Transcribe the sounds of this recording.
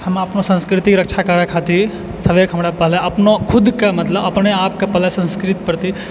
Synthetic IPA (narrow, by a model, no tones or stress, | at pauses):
həmɐpnosə̃nskɾɪt̪ikɾəkt͡ʃʰakəɾakʰat̪iɾ | səbekɦəmɾapəɦlaɐpnokʰʊd̪kemət̪ləbɐpneaːpkepɐɦlasə̃nskɾit̪kəɾt̪i